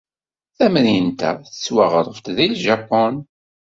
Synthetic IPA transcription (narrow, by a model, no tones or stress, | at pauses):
θæmnjənt̪a̰θə̥t͡sːwaʁɾˤəft̪ðilʒapːɔn